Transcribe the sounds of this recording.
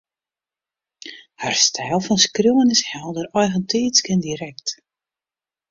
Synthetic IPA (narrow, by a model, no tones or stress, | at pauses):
harstʰɛːlˠfɔnskrowənɪshɛlˠdəɾɔjɣəntʰiːskɪndiɾɛkt